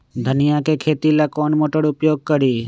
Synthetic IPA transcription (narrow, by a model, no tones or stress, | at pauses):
d̪ʱənɪjakeːkʰeːt̪ilakoːnmoːʈəɽʊpjoːɡ̚kəɾiː